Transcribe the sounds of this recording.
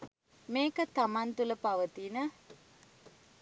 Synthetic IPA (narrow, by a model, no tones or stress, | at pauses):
meːkət̪amant̪uləpaʋət̪inə